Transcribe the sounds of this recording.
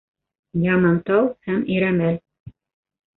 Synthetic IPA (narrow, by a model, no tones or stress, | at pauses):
jɑmɑnt̪ɑwhæmiɾæmæl